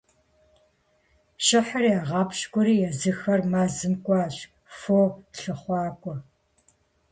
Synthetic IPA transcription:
ʃɪħəriaːʁɑːpʃkʷʼʊɾiːjɛzɨxɐrmaːzɨmkʷʼɑːɕ | foːɬɨχʷɑːkʷʼɔ

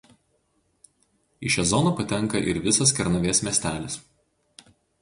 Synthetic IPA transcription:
iʃʲɛzɔnɐpɐt̪ʲɛŋˑkɐʔɪɾʋʲɪsɐskʲɛɾnɐʋʲeːsmʲɛːsʲt̪ʲæːlʲɪs

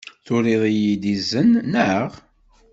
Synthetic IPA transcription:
θʊɾeðˤijid̪izːənːəʁ

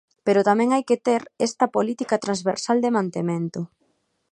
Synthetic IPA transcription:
peɾʊt̪amɛ̃ŋajket̪eɾest̪ɐpolit̪ikat̪ɾãnzβeɾsald̪emãnt̪emẽnt̪ʊ

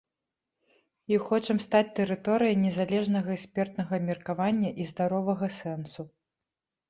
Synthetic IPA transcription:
iwxɔt͡ʂɐmst̪at͡sʲt̪ɛɾɨt̪ɔɾɨjɐjnʲɛzalʲɛʐnɐɣɐɛksʲpʲɛrt̪nɐɣɐmʲɛrkavanʲːɐʔizd̪aɾɔvɐɣɐsɛnsu

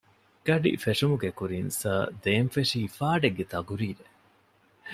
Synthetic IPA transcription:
ɡ̥ɐɖḭfeʂumuɡekuɾinsɐd̪eːmfeʂiːfaːɖeɡːet̪ɐɡuɾiːle

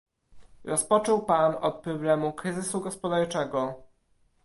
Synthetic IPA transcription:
ɾɔspɔt͡ʂɔwpanɔt̪̚pɾɔblɛmukɾɘzɘsuɡɔspɔd̪aɾt͡ʂɛɡɔ

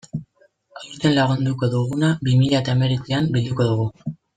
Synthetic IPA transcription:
awɾt̪e̞nlaɣ̞und̪uko̞ðuɣ̞unabimiʎaet̪aeme̞ɾikeambild̪uko̞ðuɣu

